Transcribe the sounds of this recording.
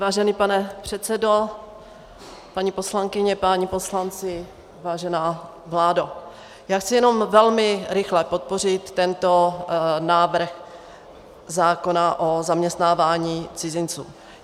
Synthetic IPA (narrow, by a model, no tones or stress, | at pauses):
vaːʒɛniːpanɛpr̝̥ɛt̪t͡sɛdo̞ | paɲiposlaŋkɪɲɛpaɲipo̞slant͡sɪ | vaːʒɛnaː | vlaːdo | jaːxt͡sɪjɛno̞mvɛlmɪɾɪxlɛpot̪̚po̞rɪt̪ːɛnt̪o̞naːvr̩x | zaːko̞naʔozamɲɛst̪naːvaːɲiːt͡sɪzɪnt͡sṵː